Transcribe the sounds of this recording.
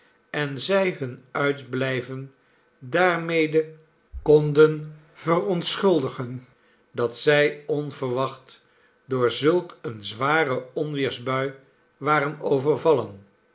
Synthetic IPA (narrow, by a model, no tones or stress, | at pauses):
ɛnzɛjɦɵnœɥtblɛjvən | daːɹmejdə | kɔndən | v̥ərɔntsχɵlˠdəχən | dɑtsɛjɔnv̥əɹʋɑχt | dʊːɹzɵlˠkənzʋaːrəɔnʋɪːɹzbœɥ | ʋaːɾənowvəɹvɑlən